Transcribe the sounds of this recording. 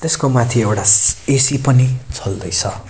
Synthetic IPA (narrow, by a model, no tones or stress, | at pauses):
t̪eskomat̪ʰiewʈaesipʌnit͡sʰʌld̪ʌjt͡sʰʌ